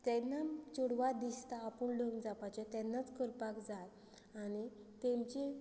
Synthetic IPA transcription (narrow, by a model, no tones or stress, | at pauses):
t̪ɛnːat͡ɕoɽʋad̪ist̪aːpəɳɖəŋɡd͡zapat͡ɕat̪jɛnːat͡skəɾpakd͡zat̪ | anit̪ẽmt͡ɕi